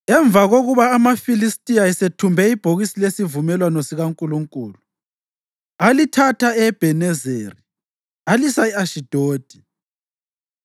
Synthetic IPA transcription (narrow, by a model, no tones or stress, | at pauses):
ɛɱb̪vʱaɣoɣuβaːmafilistʼiaɛsetʰumbʱɛib̥ʱoɣisilesivumɛlwanɔsiɣaŋkʼuluŋkʼuːlu | alitʰatʰaɛb̥ʱɛnɛzeːri | alisaiaʃid̥ʱoːd̥ʱi̥